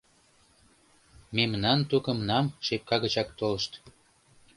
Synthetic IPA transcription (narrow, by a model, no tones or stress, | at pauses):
memnɑnt̪ukəmnɑmʃep̚kɑɣət͡ɕɑkt̪oləʃt̪